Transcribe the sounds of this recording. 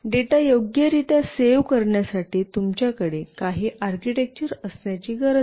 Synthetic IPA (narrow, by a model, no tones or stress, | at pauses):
ɖeʈajoɡjəɾit̪jaseʋkəɾɳjasaʈiːt̪umt͡ɕjakəɽekaɦiːʔaɾkiʈek̚t͡ɕəɾəsnjat͡ɕiːɡəɾə